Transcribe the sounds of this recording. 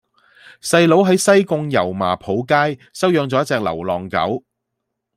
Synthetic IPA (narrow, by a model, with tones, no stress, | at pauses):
sɐ˧jlo˨˥wɦɐ˨˥jsɐ˥jkʊ˧ŋjɐ˨˩wma̰ː˨˩pʰo˨˥wkaː˥jsɐ˥wjœː˧ŋt͡sɔː˨˦jɐ˥t͡sɛː˧k̚lɐ̰˨˩wlɔː˨ŋkɐ̰˨˥w